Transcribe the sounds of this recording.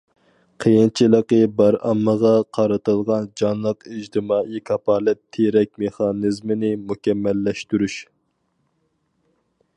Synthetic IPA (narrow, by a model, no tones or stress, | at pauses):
qʰəjint͡ʃʰilˠəqəbɑɾɑ̰mːəʁɑqʰɑɾɨt̪ɨlˠʁɑnd͡ʒɑnlˠəqid͡ʒt̪ʰɨmɑːʔikʰɑpɑːlˠɨp̚t̪ʰːeɾɛk̚ʲmeχɑnɨzmɪnɪmukʲɛmːɛlːɛʃt̪yɾyʃ